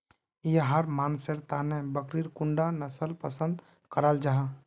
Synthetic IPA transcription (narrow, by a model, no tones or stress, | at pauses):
jeɦəɾmaːnseɾt̪anẽbəkɾiɾkʊɳɖanəsəlpəsə̃nd̪ | kəɾəld͡ʒaɦa